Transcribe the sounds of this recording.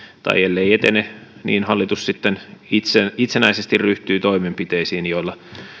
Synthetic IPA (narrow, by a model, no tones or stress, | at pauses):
t̪ɑ̰ielːeiet̪enenḭːnhɑlːit̪ussit̪ːenit̪seit̪senæisest̪irryht̪yːt̪oimempit̪eisiːnjoilːɑ